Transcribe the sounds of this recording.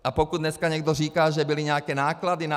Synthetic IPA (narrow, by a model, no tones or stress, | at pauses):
apɔkud̪ɲɛskaɲɛɡd̪ɔɾiːkaːʒɛbiliɲɛakɛnaːklad̪ina